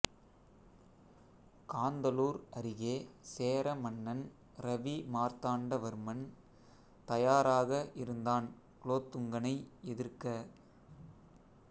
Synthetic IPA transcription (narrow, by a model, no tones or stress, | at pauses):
kaːnd̪ɐluːɾɐɾɪɣeːseːɾɐmɐɳːɐn | ɾɐʋimaːɾt̪aːɳɖɐʋɐɾmɐn | t̪ɐjaːɾaːɣɐʔɪɾɯnd̪aːn | kloːt̪ːɯŋɡɐnɐɪɛðɪɾkɐ